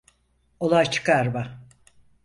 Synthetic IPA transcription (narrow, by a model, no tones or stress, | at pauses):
olˠajt͡ʃʰɯ̥kaɾba